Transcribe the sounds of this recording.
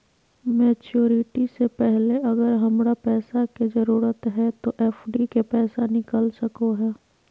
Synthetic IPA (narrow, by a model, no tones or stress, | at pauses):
meːt͡ʃoːɾɪʈisepɛɦleɐɡəɾɦɐmɾapɛːsakezəɾuːɾət̪ɦɛt̪oʔɛːfɖikepɛːsanɪkəlsɐkoɦɛː